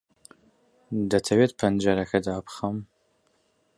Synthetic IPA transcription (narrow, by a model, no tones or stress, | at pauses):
dɐtʰɐweːt̪̚pʰɐnd͡ʒɐɾɐkʰɐdaːpχɐm